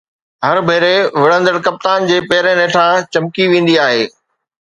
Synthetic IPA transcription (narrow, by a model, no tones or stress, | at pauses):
ɦɐɾbʱeːɾeʋɪɽə̃nd̪əɽkɐp̚t̪aːnd͡ʑeːpɛːɾẽneːʈʰat͡ɕɐmkiʋẽːn̆d̪iaːɦeː